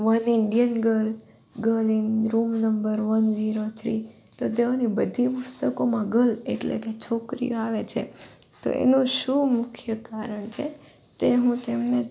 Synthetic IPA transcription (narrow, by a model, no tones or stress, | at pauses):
ʋənɪɳɖijənɡəl | ɡəlinɾumnəmbəɾʋənd͡ʒiɾot̪ʰɾḭ | t̪od̪eʋonibəd̪ʱipʊst̪əkomãɡəlḛʈlḛket͡ʃʰokɾḭaʋet͡ʃʰḛt̪o̰ʔḛnũʃũmʊkʰjəkaɾəɳt͡ʃʰḛ | t̪eɦũt̪emne